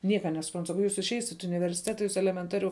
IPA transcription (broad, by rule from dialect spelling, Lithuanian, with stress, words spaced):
ˈnʲiɛkɐ nʲɛsʊˈprɐnt sɐˈkɐʊ ˈjuːs ɪʃʲˈɛɪsʲɪt ɪ ʊnʲɪʋʲɛrʲsʲɪˈtʲæːtɐ ˈjuːs ɛlʲɛmʲɛnˈtɑːrʲʊ